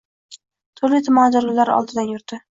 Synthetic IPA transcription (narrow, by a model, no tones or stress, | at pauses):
t̪ʰʊɾlɪt̪ʰʊmɒnd͡ʒ̪aɾʊlaɾɒ̰lˠd̪ɪd̪anjʊɾd̪ɪ